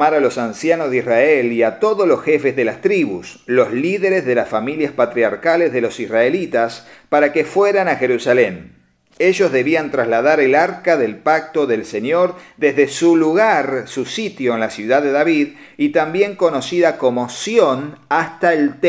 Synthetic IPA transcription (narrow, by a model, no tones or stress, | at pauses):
aɾalo̞sansjanozðisraeliat̪o̞ðozlo̞sxe̞fezðelast̪ɾiβṵslo̞zliðeɾezðe̞lasfamiljaspat̪ɾiaɾkalezðelo̞sisraelit̪aspaɾakefweɾanaxe̞ɾusalen | eʒo̞zðe̞βiant̪ɾazlaðaɾelaɾkaðe̞lpak̚t̪o̞ðe̞lsenjo̞ɾd̪ezðe̞suluɣaɾsusit̪jo̞enlasjuðaððe̞ðaβið | it̪ambje̞ŋko̞no̞siðako̞mosjonast̪aelt̪